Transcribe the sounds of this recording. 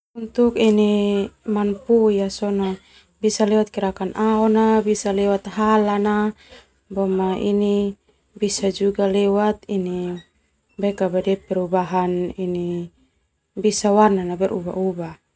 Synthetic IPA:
unt̪ukinimanpuijasɔnɔ | bisalɛwat̪̚kiɾakanʔaɔnabisalɛwat̪̚ɦalana | bɔmaʔḭni | bisad͡ʒuɡalɛwat̪̚ini | bɛkabadɛpɛɾubaɦanini | bisawarnanabɛɾʔṵba̰ʔuba

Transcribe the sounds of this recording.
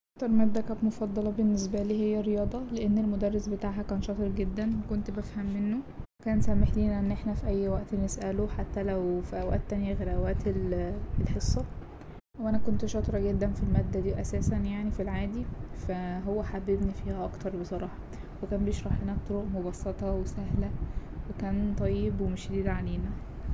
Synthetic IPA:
ʔɑkt̪ɑɾˤmæbd̪ːækæt̪mofɑd̪ˤːɑlɑbenːesbæliːhejːærːejɑːd̪ˤɑleʔenːelmod̪ærːesbet̪aːʕɦækæːnʃɑt̪ˤeɾɡed̪ːænwekont̪bæfhæmːenːowekæːnsæmeħliːnæʔenːʔeħnæfiʔæjːwæʔt̪nesʔæloħat̪ːælæwfiʔæwæ̰ʔt̪ːænjæɣæɾæwæːt̪elelħesˤːɑ | weʔænækont̪ʃɑt̪ˤɾˤɑɡed̪ːænfilmæːd̪ːæd̪iːʔæsæːsænjaʕnifilʕaːd̪ifæɦowːæħabebnifiːhæʔɑkt̪ɑɾˤbesˤɑɾˤɑːħɑ | wekæːnbejeʃɾˤɑħlenæt̪ːˤoɾoʔmobɑsːet̪ˤɑwesæɦlæwekæːnt̪ˤɑjːebwemeʃd̪iːd̪ʕaleːnæ

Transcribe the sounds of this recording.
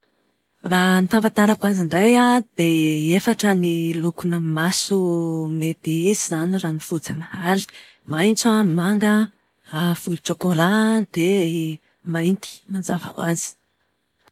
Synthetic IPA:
rant̪apat̪aɾakwaziɳɖ͡ʐajad̪eefaʈ͡ʂənilukunəmasumet̪iizizaniraːnifud͡zanahali̥ | majnt͡samaŋɡə | ɾafulut͡ʃokolad̪̥e | majnt̪i̥manzava̰wazi̥

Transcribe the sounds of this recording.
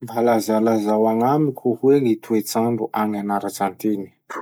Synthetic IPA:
valazalazawaŋamikʲʰuhweŋit̪ʰuet͡saɳɖ͡ʐuʔaŋanaɾat͡sant̪eni̥

